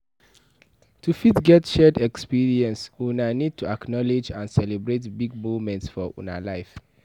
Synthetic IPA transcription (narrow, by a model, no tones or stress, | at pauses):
tʰufitɡɛtʃɛdɛkspiɹiɛ̃nsunanid̚tʰuaknɔled͡ʒãnsɛlebɹetbiɡ̚muvmɛ̃ntsfɔʔṵna̰laɪf